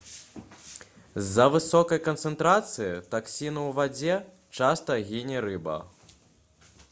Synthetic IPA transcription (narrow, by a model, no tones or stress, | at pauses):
zːɐvɨsɔkɐjkɐnt̪sɛnt̪ɾat̪sɨjit̪aksʲinɐwvad͡zʲɛ | t͡ʂast̪ɐɣʲinʲɛɾɨbɐ̰